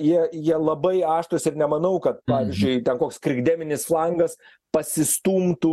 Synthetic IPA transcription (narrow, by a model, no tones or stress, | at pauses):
jiɛjiɛlˠɐbɐɪɑːʃt̪oːsʲɪɾnʲɛmɐnɐʊkɐt̪̚pɑːʋʲɪzʲd͡ʒʲʊɪt̪ʲɛnkoːkskɾʲɪɡd̪ʲæːmʲɪnʲɪsflˠɐŋɡɐs | pɐsʲɪst̪uːmt̪u